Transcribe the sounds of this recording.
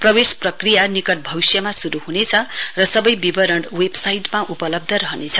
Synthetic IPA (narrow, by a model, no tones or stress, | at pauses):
prʌbesprʌkrijanikʌʈ̚bʱʌwsjʌmasuɾuɦunet͡sʰʌrʌsʌbʌjbibʌɾʌɳɖwebsajʈmaʔupʌlʌb̚d̪ʱʌɾʌɦʌnet͡sʰʌ